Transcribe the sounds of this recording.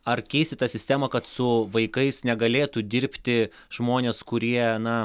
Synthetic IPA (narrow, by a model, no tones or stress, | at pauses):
ɐrkʲɛɪsʲt̪ʲɪt̪ɐsʲɪsʲt̪ʲæːmɐkɐt̪sʊʋɐɪkɐɪsnʲɛɡɐlʲeːt̪ud̪ʲɪɾʲpʲt̪ʲɪ | ʒ̥moːnʲeːskʊɾʲiɛnɐ